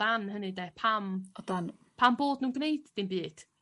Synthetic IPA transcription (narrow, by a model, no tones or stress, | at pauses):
anɦənɨdepʰamɔdanpʰamboːdnuːnɡnejd̥d̥inbɨːd̥